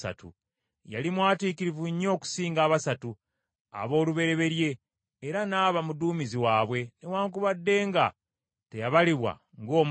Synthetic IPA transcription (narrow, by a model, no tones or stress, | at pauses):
sa̰tṵ | jalimwaːtiːkiɾivuɲːo̞ːku̥siːŋɡaːβasatu | a̰βo̞ːluβe̞ɾe̞βe̞ɾje̞ː | ɾanaːβamuduːmiziwaːβwe̞newaːŋkuβadːe̞ːŋɡa | te̞jaβaliβwa̰ | ŋɡo̞ːm